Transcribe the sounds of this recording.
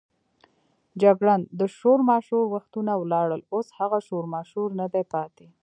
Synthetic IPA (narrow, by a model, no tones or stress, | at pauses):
d͡ʒaɡɽand̪əʃoɾmɑʃhuɾwaxt̪unawlɑɽəloshaɣaʃoɾmɑʃuɾnad̪ajpɑt̪e